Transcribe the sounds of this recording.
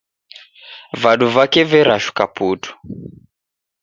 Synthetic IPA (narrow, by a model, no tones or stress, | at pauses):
vaɗuvakɛvɛɾaʃu̥kaputʰu̥